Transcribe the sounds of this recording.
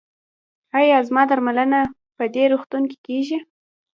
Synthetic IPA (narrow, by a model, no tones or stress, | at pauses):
ɑjɑzmɑd̪aɾmaləna | pəd̪eɾuxt̪unki̥keʒi